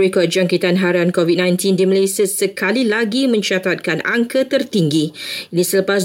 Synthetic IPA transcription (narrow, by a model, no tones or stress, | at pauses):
ekɔd̪̚d͡ʒaŋkit̪anɦaɾankɔvit̚nãjnt̪indiməlesiəsəkʰalilaɡimə̃ɲt͡ʃat̪at̪̚kana̰ŋkət̪ərt̪iŋɡiinisələpas̬